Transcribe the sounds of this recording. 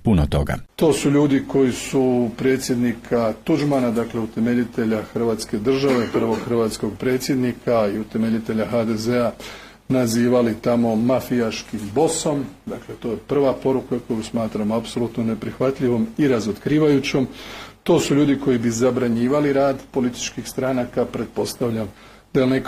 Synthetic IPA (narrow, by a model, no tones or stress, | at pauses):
punot̪o̰ɡa̰t̪o̞ːsuʎuːd̪iko̞jisupɾe̞ːt̪sʲje̞d̪nikʰat̪ud͡ʒmanad̪akle̞ut̪e̞me̞ʎit̪e̞ʎaxr̩ʋaːt̪ske̞d̪r̩ʒaʋe̞pr̩ʋo̞ɡxr̩ʋaːt̪sko̞ɡ̚pɾe̞ːt̪sje̞d̪nikʰaiut̪e̞me̞ʎit̪e̞ʎaxaːd̪e̞ze̞a | naziːʋalit̪amo̞mafijaʃkimbo̞so̞md̪akle̞t̪o̞ːje̞pr̩ʋapo̞ɾukako̞jusmaːt̪ɾamoapso̞lut̪none̞pɾixʋat̪ʎʲiʋo̞miɾazot̪kɾiːʋajut͡ɕo̞mt̪o̞ːsuʎuːd̪iko̞jibizabɾaɲiːʋaliɾaːd̪po̞lit̪i̥t͡ʃkixst̪ɾanakapɾe̞t̪̚po̞st̪aʋʎam | d̪̥anek